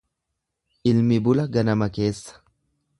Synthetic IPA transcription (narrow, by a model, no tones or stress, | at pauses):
ʔɪlmɪbʊlɐɡɐnɐmɐke̞ːsːɐ̥